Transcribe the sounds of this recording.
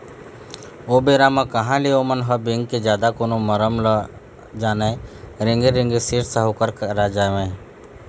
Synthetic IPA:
oːbeːɾamãkəɦãːleoːmənɦəbɪ̃ŋɡked͡ʒjaːd̪akoːnoməɾəml | d͡ʒaːnẽɾɪ̃ŋɡeɾɪ̃ŋɡesɪɾsəɦukəɾkɾad͡ʒaːʋẽː

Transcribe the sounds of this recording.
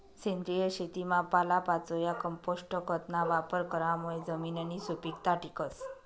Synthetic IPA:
send̪ɾijəɕet̪imapalapat͡sojakəmposʈəkət̪naʋapəɾkəɾamuɭed͡zəmiːnanisupikt̪aʈikəs

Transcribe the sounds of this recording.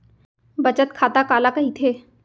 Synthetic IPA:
bɐt͡ʃət̪kʰaːt̪akaːlakɐɦit̪ʰeː

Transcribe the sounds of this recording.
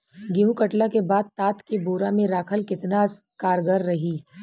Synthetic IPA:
ɡɪɦũkəʈlakebaːd̪̚t̪aːt̪keboːɾamẽɾaːkʰəlkɪt̪nas | kaːɾɡəɾːɐɦiː

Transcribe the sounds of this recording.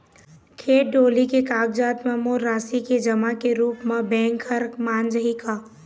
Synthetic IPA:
kʰeːʈ̚ɖoːlikekaːɡd͡ʒaːt̪mẽmoɾaːsiked͡ʒɐmakeɾuːpmãbɛ̃ːŋkhɐɾkmãːnd͡ʒəɦikaː

